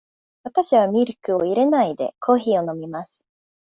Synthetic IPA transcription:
βat̪aɕiβamʲiɾɯ̟kɯ̟o̞iɾe̞naid̪e̞̰kʰo̞ːçio̞no̞mʲimasɨ̥

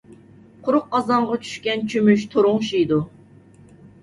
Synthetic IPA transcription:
qʰʊɾʊq̚ːɑzɑɴʁɑt͡ʃʰy̥ʃkʲɛnt͡ʃʰymyʃt̪ʰoɾʊŋʃijd̪u

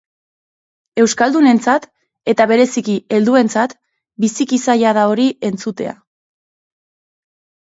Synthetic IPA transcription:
e̞wskald̪une̞nt͡sat̪ | e̞t̪aβe̞ɾe̞sikie̞ld̪ue̞nt͡sat̪ | bisikisajaðao̞ɾie̞nt͡sut̪e̞̰a̰

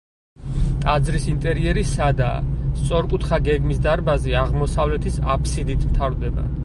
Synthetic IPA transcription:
t̪ʼad̪zɾisint̪ʼɛɾiɛɾisad̪a̰st̪sʼɔɾkʼut̪ʰχaɡɛɡmisd̪aɾbaziaʁmɔsavlɛt̪ʰisapʰsid̪it̪ʰmt̪ʰaɾd̪ɛba̰

